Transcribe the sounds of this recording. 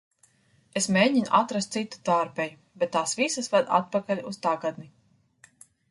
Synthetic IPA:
esmʲeːɟinuʔat̪ɾast̪sit̪ːu̥t̪aːɾpɛju | bɛt̪ːaːsvisasvad̪a̰t̪̚pakalʲust̪aɡad̪ni

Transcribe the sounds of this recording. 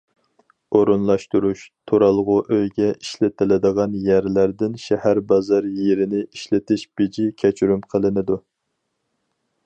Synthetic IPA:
oɾunlˠɑʃt̪uɾuʃt̪ʰoɾɑlˠʁʊʔøjɡʲɛʔiʃlɪt̪ʰɪlɪd̪əʁɑnjæɾlæɾd̪ɪnʃɛhæɾbɑzɑɾjeɾɪnɪiʃlɪt̪ʰɪʃb̥ɪd͡ʒikʲʰɛt͡ʃʰyɾymqʰəlˠɨnɪd̪u

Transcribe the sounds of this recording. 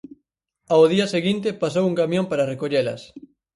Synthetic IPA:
aoðiɐseɣint̪ɪpasowuŋkamjõmpaɾɐrekoʎelɐ̰s

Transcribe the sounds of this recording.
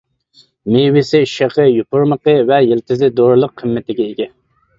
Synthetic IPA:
mewɪsɪʃeqəjupʊɾməqəvɛjɪlt̪ʰɪzɪd̪oɾlˠʊqʰːəmːɪt̪ʰɪɡʲɛeɡʲɛ

